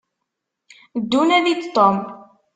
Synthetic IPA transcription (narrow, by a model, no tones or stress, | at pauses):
d̪ːunæðid̪t̪ːom